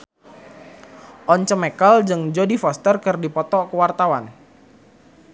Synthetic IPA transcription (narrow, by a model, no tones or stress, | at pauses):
ʔɔɲt͡ʃəmekald͡ʒɨŋd͡ʒodifɔst̪ərkərdipɔt̪ɔkəwart̪awan